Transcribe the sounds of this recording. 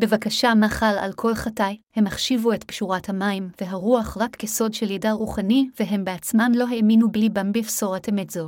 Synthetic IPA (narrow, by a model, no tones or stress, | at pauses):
be̞vakaʃamaχala̰lkʰo̞lχatajhe̞maχʃivuetbʃuʁathamaimve̞ɦaʁuaχʁakːeso̞dʃeljedaʁuχaniveɦe̞mbeat͡smanlo̞ɦeminublibambifso̞ʁetemezo